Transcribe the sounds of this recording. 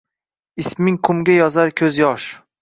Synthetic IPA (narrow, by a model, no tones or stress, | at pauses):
ɪsmɪŋqʰʊmɡʲajɒzaɾkʲʰɵzjɒʃ